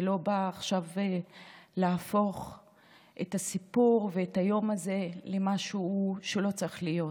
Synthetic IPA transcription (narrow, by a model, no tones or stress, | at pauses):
elo̞baːχʃav | laːfo̞χ | ʔetasipuʁveːtajo̞maze̞lemaʃuʃeulo̞t͡saʁiχlijo̞t